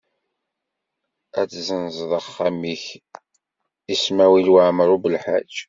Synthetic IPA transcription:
æt͡sːzənzˤðˤəχːamiç | ismæwilwaʕməɾˤubəlħa̰d͡ʒ

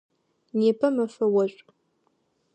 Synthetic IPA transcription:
neːpʰɐmɐfɐwɐɕʷʼ

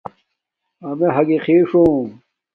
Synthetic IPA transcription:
ɐmeɦɐɡixiːʂũː

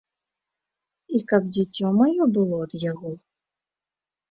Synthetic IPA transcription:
ikɐb̚d͡zʲit͡sʲːɔmajɔbɨlˠɔd̪jaɣɔ

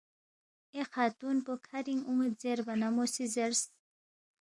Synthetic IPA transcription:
exaːt̪unpokʰaɾiŋumed̪zeɾbanamosizeɾs

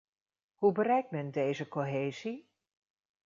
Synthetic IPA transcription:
ɦubərɛjk̚tmɛndejzəkoɦejzi

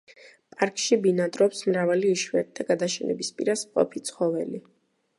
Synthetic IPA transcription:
pʼaɾkʼʃibinat̪ʼɾɔpsmɾavaliːʃwɛɾt̪̚d̪ʰaɡad̪aʃɛnɛ̰bispʼḭɾasmqʼɔ̰pʰit̪sʰχɔvɛli

